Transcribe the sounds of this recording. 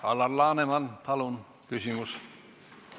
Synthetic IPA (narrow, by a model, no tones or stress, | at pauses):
ɑlːɑrlɑːnemɑnt̪ʰɑlun | kysymys